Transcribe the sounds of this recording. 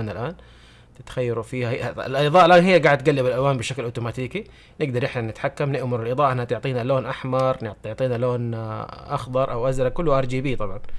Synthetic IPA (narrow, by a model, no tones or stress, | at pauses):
nalʔaːn | t̪ɪt̪xajːaɾufiːhahlʔɪðˤɑːʔalʔaːnɦɪjːaɡaːʕɪd̪t̪̚ɡalːɪbalʔalwaːmbɪʃaklʔaːt̪umaːt̪iːki | nɪɡd̪ɑɾˤʔɪħnanɪt̪ħakːamnɪʔmʊɾˤɪlʔɨðˤɑːʔɪnhat̪ʊʕt̪ˤiːnaloːnʔaħmɑɾˤnɪʕt̪ɪʕt̪ˤiːnaloːnʔɑxd̪ˤɑɾˤʔawʔazɾˤɑkʊlːʔɑɾˤd͡ʒiːbiːt̪ˤɑbʕɑn